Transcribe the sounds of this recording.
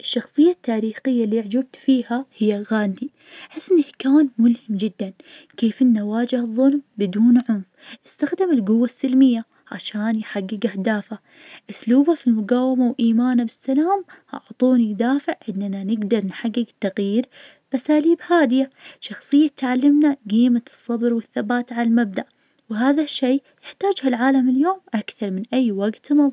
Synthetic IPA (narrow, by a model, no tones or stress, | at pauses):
ʔɪʃːɑxsˤɨjːat̪ʰːaːɾiːxɪjːalːiʕd͡ʒɪb̚t̪fiːhahɪjːaɣaːnd̪i | ħɪsːʔɪnɪhkaːnmʊlhɪmd͡ʒɪd̪ːan | keːfʔɪnːawaːd͡ʒɪhɨðˤːʊlmbɪd̪uːnʕʊmfʔɪst̪axd̪ɪmɪlɡʊwːasːɪlmɪjːa | ʕa̰ʃaːnjħaɡːɪɡʔahd̪aːfa | ʔʊsluːbafilmʊɡaːwɪmawʔiːmaːnabɪsːalaːmhɑ̰ʕt̪ˤuːnid̪aːfɪʕʕɪnd̪nanɪɡd̪ɑɾˤnħaɡːɪɡt̪ɑɣjiːɾ | bʔasaːliːbhaːd̪ɪjaʃɑxsˤɨjːat̪ʕalːɪmnaɡiːmaɨsˤːɑbɾwɪθːabaːt̪ʕalalmab̚d̪aʔ | wɦaːðaʃːeːjɪħt̪aːd͡ʒhalʕaːlamɪljoːmʔakθɑɾˤmɪnʔajːwaɡt̪mɑð